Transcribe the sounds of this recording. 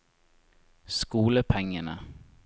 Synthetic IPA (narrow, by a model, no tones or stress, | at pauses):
skuːləpʰɛŋːəɳa